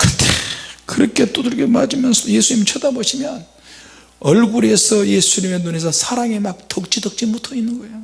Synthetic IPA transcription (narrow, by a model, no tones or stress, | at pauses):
kɯntekɯɾʌkʰe̞t͈oduɭɡema̰d͡ʑimjʌnsʰʌje̞sʰuɲimit͡ɕʰʌdaboɕʰimjʌn | ʌɭɡuɾie̞sʰʌje̞sʰuɲime̞nonesʰʌsʰaɾaŋe̞mak̚t͈ʌk̚t͡ɕ͈idʌk̚t͡ɕ͈imutʰʌinːɯnɡʌejo